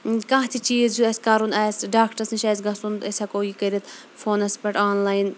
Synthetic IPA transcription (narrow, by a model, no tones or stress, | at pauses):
kãːɦt̪ʰit͡ʃiːzjuɐsʲkaɾunaːsʲɖaːkʈɐsniʃaːsɡɐsund̪ɐsʲɐkoːjikɐɾit̪ | foːnɐspɐʈaːnlaːjin